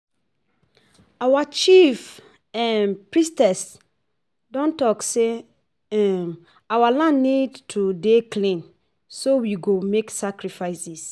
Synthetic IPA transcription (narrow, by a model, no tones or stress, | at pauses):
awat͡ʃif | ãnpɹistɛs | dɔ̃ntɔkse | ɛm | awalãnnidtʰudeklĩn | sowiɡomeksakɹifaɪsis